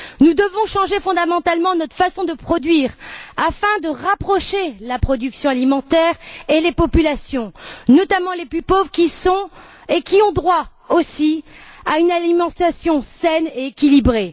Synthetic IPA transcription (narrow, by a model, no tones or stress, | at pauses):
nud̪əvɔ̃ʃɑ̃ʒefɔ̃d̪amɑ̃t̪almɑ̃nɔt̪χfasɔ̃d̪əpχɔd̪ɥiːʁafɛ̃d̪əʁapχɔʃelapχɔd̪yksjɔ̃alimɑ̃t̪ɛʁelepɔpylasjɔ̃nɔt̪amɑ̃leplypovʁkʲisɔ̃ | ekʲiɔ̃d̪ʁwa | osiaynalimɑ̃t̪asjɔ̃sɛneekʲilibʁe